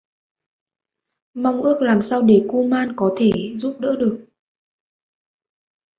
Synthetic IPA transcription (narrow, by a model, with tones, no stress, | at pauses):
ma˧wŋ͡mʔɨ˦˥ək̚laː˨˩msaː˧wɗe˧˩ku˧maː˧nkɔ˨˦t̪ʰe˧˩zu˦˥p̚ɗə̰ː˧˥ɗɨ˨˩ək̚